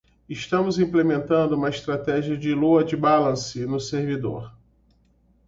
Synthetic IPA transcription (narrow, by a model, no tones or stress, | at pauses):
ɪʃt̪ɐ̃mʊzĩplemẽnt̪ɐ̃nd̪ʊũmɐɪʃt̪ɾat̪ɛʒiɐd͡ʒɪluɐd͡ʒɪbalɐ̃sɪnʊseɾvid̪o̰ɾ